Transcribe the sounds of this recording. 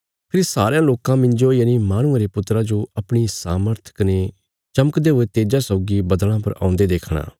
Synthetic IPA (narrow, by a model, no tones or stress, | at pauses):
pʰɪɾsaːɾejãloːkãmɪ̃ɲd͡ʒoijanimaːɽ̃ʊ̃ãɾepʊt̪ɾãd͡ʒoɐpɽ̃isaːməɾt̪ʰkɐne | t͡ʃɐməkd̪eɦoet̪eːd͡ʒasɔʊɡibɐd̪ɽ̃ãpɐɾa̰ːʊ̃nd̪ed̪eːkʰɽ̃a̰ː